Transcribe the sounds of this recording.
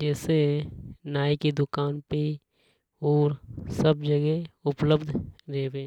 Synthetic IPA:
d͡ʒɛːsenaːikid̪ʊkaːnpi | ɔːɾsəbd͡ʒəɡeʊpləbd̪ʱɾeːbeː

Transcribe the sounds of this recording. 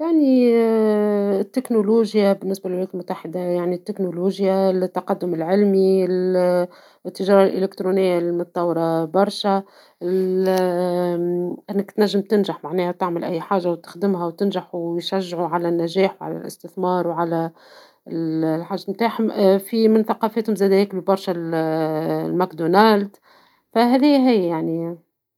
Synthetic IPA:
jaʕni | t̪ːɪknoluːʒjabɪnːɪsbælɪlwʊjɛːt̪lmʊt̪ːaħɪd̪ajaʕnit̪ːɪknoluːʒjalt̪ːɑqɑd̪ːʊmɪlʕɪlmil | t̪ːɪʒɑːɾˤɑlʔɪ̰lɪkt̪ɾuːnɪjːalimʊt̪ˤːɑwɾˤɑbɑɾˤʃæ | ɪl | ʔɪnːɪkt̪næʒːəmt̪ɪnʒaħmaʕnɛːhæt̪ɪʕmɪlʔæjːħaːʒːawt̪ɪ̥xd̪ɪmɦæwt̪ɪnʒaħuwjʃæʒːʕuʕalænːæʒɛːħwʕa̰læ̰lʔɪ̰st̪ɪθmɑːɾˤwʕalæ | lħaʒːmt̪aːħfimɪnθaqɑːfɛːt̪hʊmzɛːd̪æjɪklubɑɾˤʃæl | lmækd̪onald̪ | fæɦæðiːɦæjjaʕni

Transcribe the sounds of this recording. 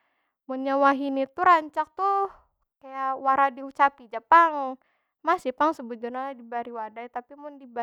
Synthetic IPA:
mʊnɲawaɦinit̪uɾaɲt͡ʃak̚t̪u | kajawaɾadiut͡ʃapid͡ʒapaŋ | masipaŋsəbud͡ʒunaadibaɾiwadajt̪apimʊndiba

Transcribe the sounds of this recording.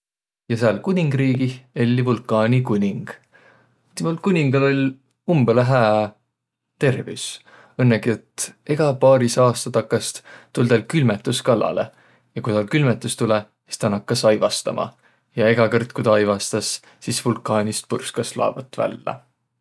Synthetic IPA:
jɑseɑlkunʲiŋɡ̥riːɡielʲːivulkːˑɑːnʲikunʲiŋɡ̥ | t̪imulkunʲiŋɡ̥ɑlo̞lʲ | umb̥eleɦæː | t̪e̞rvḭws | ɤnːeɡiet̪ːˑe̞ɡ̥ɑpɑːɾisɑːst̪ɑt̪ɑkːˑɑst̪t̪uld̪ɑlkylmet̪ːˑuskɑlɑ̰le | jɑkujt̪ɑlkylmet̪ːˑust̪ulɛ | si̥st̪ɑnɑkːˑɑsɑjvɑst̪ɑ̰mʔɑ̰ | jɑe̞ɡ̥ɑkɤrt̪̚kud̪ɑjvɑst̪ɑs | sisvulkːˑɑːnʲist̪̚purskɑslɑ̰ːb̥ɑt̪ːˑvæ̰lːɑ̰

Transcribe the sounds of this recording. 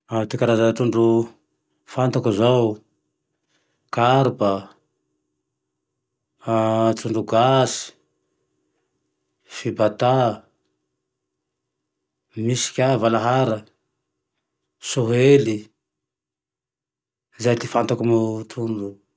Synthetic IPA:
at̪ikaɾazat̪uɳɖ͡ʐu | fant̪akuzaw | kaɾba | t̪uɳɖ͡ʐuɡasi̥ | fibat̪a | misi̥kʲavalaɦaɾə | suɦeli | izajt̪ifant̪akumut̪ʰuɳɖ͡ʐu

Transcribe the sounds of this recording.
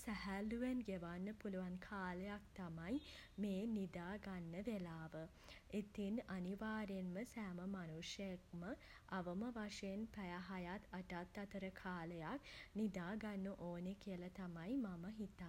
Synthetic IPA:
sæɦælːuʋenɡeʋanːəpuluʋankʰaːləjak̚t̪amajmeːnid̪aːɡanːəʋelaːʋə | et̪inaniʋaːɾenməsæːməmanuʂjək̚mə | ʔaʋəməʋaʂenpæjaɦajat̪ɐʈat̪ːɐt̪əɾəkʰaːləjaknid̪aːɡanːəʔoːnekijəlat̪amajmaməɦit̪a

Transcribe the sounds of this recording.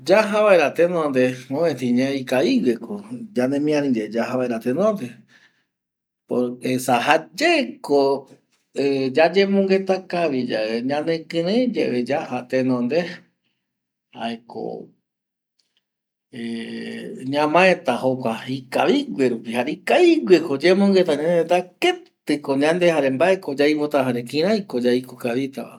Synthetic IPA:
d͡ʒaɦaβaeɾat̪enõnd̪emõẽt̪ĩɲẽikaiɡwekʰod͡ʒanẽmĩãnĩɾed͡ʒaɦaβaeɾat̪enõnd̪e | poɾesaɦad͡ʒeko | ed͡ʒad͡ʒẽmũŋɡet̪akaʋid͡ʒaeɲãnẽkɨ̃ɾẽd͡ʒeʔed͡ʒahat̪enõnd̪e | ha̰eko̰ | e | ɲãmãẽt̪ahokʷaikaβiɡʷeɾupihaɾikaiɡwekod͡ʒemõŋɡet̪aɲãnet̪aket̪ɨkoɲãnd̪ehaɾembaekod͡ʒajpot̪aɦaɾekĩɾ̃ãjkod͡ʒajkokaβit̪aβa̰

